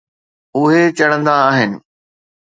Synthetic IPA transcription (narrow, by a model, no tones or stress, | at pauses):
ʊɦet͡ɕɐɽ̃ə̃nd̪aːɦɪnɪ̆